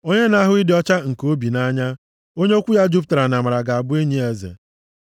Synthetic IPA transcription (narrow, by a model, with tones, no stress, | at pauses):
o˦ɲe˦na˦ɦʊ˦i˦dɪ˨˦ɔ˦t͡ʃa˦ŋ̩˨ko˦bi˨na˦ɲa˦ | o˦ɲe˦o˦kʷu˦ja˦d͡ʒu˦p̬ta˨ɾa˨na˨ma˨ɾa˨ɡa˨a˨bʊ˦e˦ɲi˦e˨zḛ˨